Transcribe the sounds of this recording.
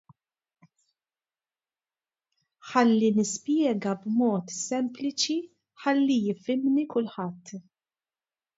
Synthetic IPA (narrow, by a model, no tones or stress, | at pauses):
ħɐlːinɪspjɛːɡɐbmɔːt̪sɛmplɪt͡ʃi | ħɐlːijɪfɪmnikʊlħɐt̪ː